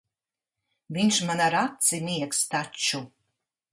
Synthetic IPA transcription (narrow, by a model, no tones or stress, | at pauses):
viɲʃmanaɾat̪simiɛkst̪at͡ʃu